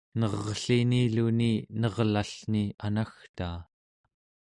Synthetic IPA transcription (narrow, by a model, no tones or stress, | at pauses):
nʌʁɬiniluninʌʁlaɬnianaxt̪aː